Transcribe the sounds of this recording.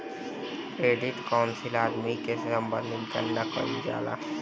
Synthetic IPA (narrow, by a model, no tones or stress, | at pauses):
kɾeːɖɪʈkaʊnsɪlaːd̪mikeɾəmbə̰nd̪ʱɪt̪kə̰nːakə̰id͡ʒa̰ːla̰